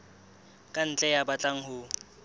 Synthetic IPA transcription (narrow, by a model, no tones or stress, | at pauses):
kʼan̩t͡ɬʼɛjabat͡ɬʼaŋ̩hʊ